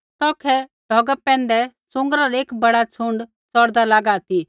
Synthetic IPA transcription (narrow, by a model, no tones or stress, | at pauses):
t̪ɔːkʰɛɖ̥ʱɔːɡəɛ̃ːnd̪ɛ | sʊ̃ŋɡɾaɾeːkbɐɽat͡sʰʊ̃ɳɖ | t͡sɔɾd̪alaːɡaːt̪i